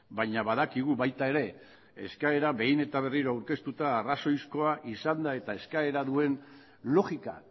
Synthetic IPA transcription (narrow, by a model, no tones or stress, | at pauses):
baɲaβaðakiɣ̞uβajt̪ae̞ɾe̞ | eskae̞ɾaβe̞jne̞t̪aβ̞e̞riɾoawɾke̞st̪ut̪aːraso̞jsko̞aʔisand̪ae̞t̪ae̞skae̞ɾaðue̞n | lo̞ɣika̰